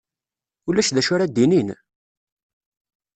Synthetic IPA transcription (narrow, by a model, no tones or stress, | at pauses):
ulːæʃðæʃʊɾad̪inin